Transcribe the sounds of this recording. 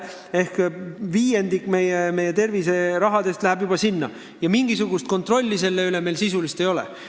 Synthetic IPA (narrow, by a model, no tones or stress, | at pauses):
e̞hkviːje̞nd̪ikme̞jeme̞jːe̞t̪e̞rvise̞ɾɑɦɑd̪e̞st̪læɦæbjubɑsinːɑ | jɑmiŋɡisuɡ̥ust̪̚ko̞nt̪ˑro̞lʲːise̞lːe̞yle̞me̞jlsisulist̪e̞jo̞lḛ